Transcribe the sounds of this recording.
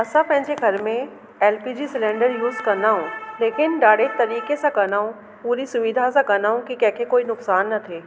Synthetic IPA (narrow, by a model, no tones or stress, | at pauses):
ɐsapɛ̃ɦɪ̃d͡ʒeɡʱɐɾmẽ | ɛːlpiːd͡ʒisɪlẽːɳɖəɾjuːzkɐɾnaɦõːleːkɪnɖaːɽet̪ɐɾiːkesekɐɾnaːõ | puːɾisʊʋid̪ʱasekɐnaɦõkikɛːkekoːinʊksaːnːɐt̪ʰeː